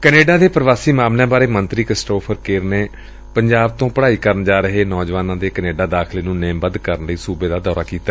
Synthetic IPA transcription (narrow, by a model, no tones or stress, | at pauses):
kəneːɖãːd̪eːpɾəʋaːsiːmaːmljãːbaːɾeːmənt̪ɾiːkɪsʈoːpʰəɾkeːɾneː | pəɲd͡ʒaːb̚t̪õːpəɽaːiːkəɾənd͡ʒaːɾəɦeːnɔːd͡ʒʋaːnãːd̪eːkəneːɖãːd̪aːkʰleːnũːneːmbəd̪kəɾənləiːsuːbeːd̪aːd̪ɔːɾaːkiːt̪a